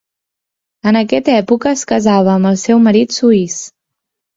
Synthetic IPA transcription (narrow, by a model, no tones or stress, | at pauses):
ənəkɛt̪ɛpukəːskəzaβ̞əːməlˠsɛwməɾit̪suis